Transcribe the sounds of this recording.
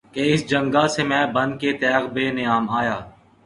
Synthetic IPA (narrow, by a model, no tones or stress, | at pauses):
keɪsd͡ʒə̃ŋɡasemɛ̃ːbɐ̃nd̪̚ket̪ɛːɣbeːnɪjaːmaːjaː